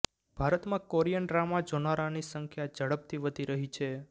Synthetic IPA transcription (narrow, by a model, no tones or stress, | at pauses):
b̥ʱaɾət̪mãkoɾijənɾamad͡ʒonaɾanisəŋkʰjad͡ʒəɽəp̚t̪ʰiʋəd̪ʱiɾəɦit͡ʃʰe